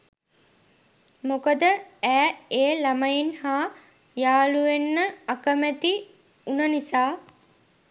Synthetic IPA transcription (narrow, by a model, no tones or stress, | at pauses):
mokəd̪əæːeːlaməjinhaː | jaːluenːəakəmæt̪i | unənisaː